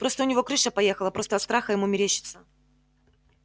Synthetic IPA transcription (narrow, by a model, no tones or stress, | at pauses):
pɾo̞st̪əʊnʲɪvo̞kɾɨʂəpɐjexəlˠəpɾo̞st̪əɐt̪st̪ɾaxəjɪmumʲɪɾʲeɕːɪ̥t̪sə